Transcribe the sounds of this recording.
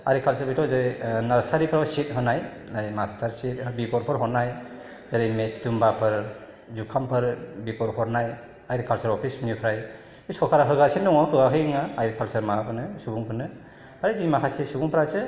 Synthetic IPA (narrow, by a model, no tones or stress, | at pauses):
aɾikʰalsɯɾbitʰɔzaɾjnaɾsaɾipʰɾasit̚ɦɯnaj | ajmastʰaɾsit̚bikɔɾpʰɯɾɦɔnaj | zaɾɯjmet͡ʃdumbapʰɯɾ | zukʰampʰɯɾbikɔɾhɔɾnaj | ajɾkʰalsaɾɔpʰisminjipʰɾaj | bisɔkʰaɾaɦɯɡasindɔŋɔkʰɯɡakʰɯŋaːjɾkʰalsəɾmapʰɯnɯsubuŋpʰɯnɯ | aɾɯd͡ʒimakʰasisubuŋpʰɾasɯ